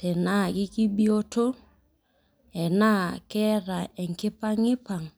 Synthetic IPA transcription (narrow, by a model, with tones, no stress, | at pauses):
tɛ˨na˦ki˦ki˦bi˦o˦to˦ | ɛ˨na˦kɛ˦ɾa˨ɛ˨ŋ˨kɪ˦pa˦ŋɪ˦pa˨ŋ